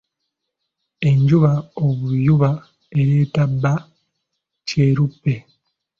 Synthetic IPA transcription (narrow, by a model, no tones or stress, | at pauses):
e̞ɲɟuβaoβujuβa | e̞ɾeːtabːa | ce̞ːɾupːe̞